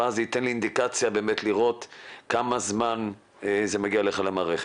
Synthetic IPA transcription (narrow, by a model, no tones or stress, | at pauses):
azeit̪enliind̪ikat͡sjabe̞ːmetliʁo̞t̪kamazman | zemaɡiaeleχalamaːʁeχe̥